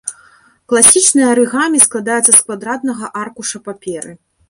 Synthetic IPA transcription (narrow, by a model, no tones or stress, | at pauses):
klˠasʲit͡ʂnɨjɐɾɨɣamʲisklˠad̪ajɛt̪sːɐskvad̪ɾad̪nɐɣɐʔarkuʂɐpapʲɛɾɨ